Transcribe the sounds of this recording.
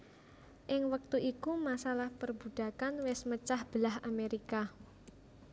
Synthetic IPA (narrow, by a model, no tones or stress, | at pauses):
ʔɪŋwək̚t̪uʔikumasalahpərbud̪̥a̤kanwɛsmət͡ʃahb̥əlaɦameɾika